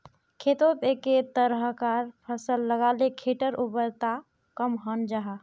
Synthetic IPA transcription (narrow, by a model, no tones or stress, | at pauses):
kʰet̪ot̪eket̪əɾɦəkaɾpʰəsəlːəɡalekʰeʈəɾʔubəɾt̪a | kəmɦənd͡ʒaɦa